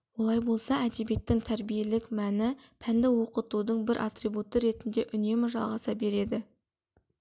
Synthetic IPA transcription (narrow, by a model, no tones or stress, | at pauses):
wo̞lˠɑjbo̞lˠsɑæd̪ebe̞t̪ːɪŋt̪ʰæɾbije̞lɪkmænɪpʰænd̪ɪwo̞qət̪ud̪əɴbɪɾʔa̰t̪rijbut̪ːəɾe̞t̪ɪnd̪e̞ʔʏne̞mɪʒɑlˠʁɑsɑbe̞ɾe̞d̪ɪ